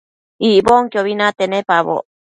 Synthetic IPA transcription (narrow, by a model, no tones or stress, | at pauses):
iʔboŋkjoβinat̪enepaβo̰